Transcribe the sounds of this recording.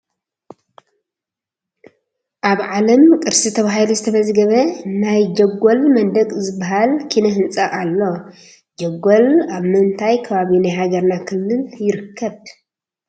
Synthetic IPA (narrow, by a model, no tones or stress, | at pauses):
ʔaβʕalɐmkʼɨɾsit̪ʰɐβahlizɨt̪ʰɐmɐzɡɐβɐnajd͡ʒɐɡːolmɐnd̪ɐkʼzɨbːaɦalkʰinɐɦɨnt͡sʼɐʔʼalːo̞ | d͡ʒɐɡːolaβmɨnt̪ʰajkʰɐβaβinajhaɡɐɾnakʰɨlːɨljɪɾɨkʰːɐβ